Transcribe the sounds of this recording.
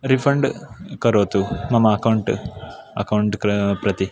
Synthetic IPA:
ɾifɐɳɖɨkɐɾoːt̪ːumɐmɐːkɐwɳʈɨɐ̰kɐwɳʈkpɾɐt̪i

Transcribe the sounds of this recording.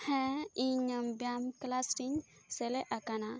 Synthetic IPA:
hɛ̃iɲambjamklasʈiŋ | seleʔakana

